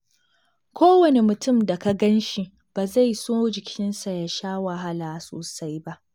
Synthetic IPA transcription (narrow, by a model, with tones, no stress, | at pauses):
kʷʰoː˦wɐ˨ne˨mʊ˨tʊ˦˨mda˨ka˦ɡɐ˦nʃi˨ | b̥aː˨za˦˨jsoː˦d͡ʒɪ˨kʲʰɪ˦nsa˨ja˨ʃaː˦wa˨ɦa˦laː˨so̰ː˨sa˦jba˦ʔ